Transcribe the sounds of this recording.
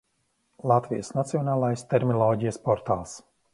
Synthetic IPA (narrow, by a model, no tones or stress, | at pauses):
lˠat̪vijəsnat̪siɔnaːlˠajst̪ɛɾmilˠɔːɟijəspɔɾt̪a̰ːlˠs